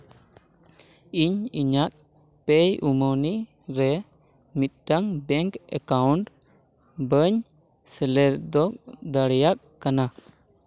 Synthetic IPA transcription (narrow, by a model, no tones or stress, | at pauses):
iɲiɲat̪̚ | pɛjumɔni | ɾɛ | mit̪̚daŋbɛŋkɛ̰kawnʈ | bəɲ | səlɛɾd̪ɔk̚d̪aɽɛjak̚kːana